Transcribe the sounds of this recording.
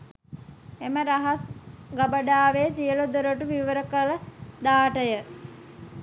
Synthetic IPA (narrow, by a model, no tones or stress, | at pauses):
eməɾaɦasɡabəɖaːʋeːsiəlud̪oɾəʈuʋiʋəɾəkələd̪aːʈəjə